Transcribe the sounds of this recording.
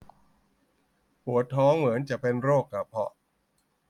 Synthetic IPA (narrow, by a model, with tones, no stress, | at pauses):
hu˩˦ɐt̪ʰɔː˦˥ŋmɯ˩˦ənt͡ɕa˨˩ʔpe˧nɾoː˥˩kːa˨˩pʰɔ̰˧ʔ